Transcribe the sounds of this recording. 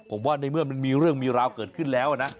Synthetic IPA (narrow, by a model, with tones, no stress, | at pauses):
pʰo˩˦mwaː˥˩na˧jmɯ˥˩ɐma˧nmiː˧ɾɯ˥˩əŋmiː˧ɾaː˧wkɤː˨˩t̪̚kʰɯ˥˩nlɛː˦˥wʔa˨˩na˦˥